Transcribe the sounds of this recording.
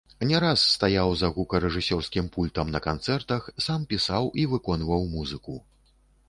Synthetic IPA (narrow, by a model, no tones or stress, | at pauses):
nʲɛɾasːt̪ajawzɐɣukɐɾɛʐɨsʲɔrskʲimpulʲt̪ɐmnɐkant̪sɛrt̪ɐxsampʲisawʔivɨkɔnvɐwmuzɨku